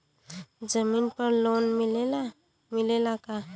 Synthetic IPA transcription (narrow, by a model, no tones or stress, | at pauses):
d͡ʒəminpaɾlonmilela | milelaka